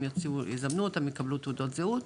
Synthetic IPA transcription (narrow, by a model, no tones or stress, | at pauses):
jot͡siuizamnuot̪amjekablut̪ud̪ot̪zeut̪